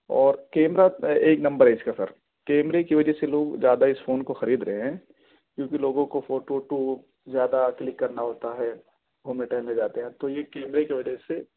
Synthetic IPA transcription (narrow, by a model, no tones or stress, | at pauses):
ɔːɾkɛːmɾaeːknɐ̃mbəɾɦɛɪskasɐ̰ɾ | kɛːmɾekiʋɐd͡ʒɛseloːɡzjaːd̪aɪsfoːnkoxɐɾiːd̪ɾɐɦeɦɛ̃ː | kjõːkiloːɡõkofoːʈoʈo | zjaːd̪aklɪkːɐɾnaɦoːt̪aɦɛː | ɦoːmẽʈɛːled͡ʒaːt̪eɦɛ̃t̪ojekɛːmɾekiʋɐd͡ʒɛse